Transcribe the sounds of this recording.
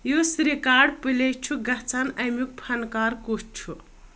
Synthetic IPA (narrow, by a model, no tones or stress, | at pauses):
josɾikaɖpɨlet͡ʃʰuɡɐt͡sanɐjmuk̚pʰɐnkaɾkust͡ʃʰu